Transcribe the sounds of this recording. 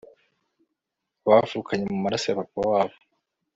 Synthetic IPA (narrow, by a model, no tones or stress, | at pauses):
βavuːkʰaɲemumaɾasajaβapowaːβo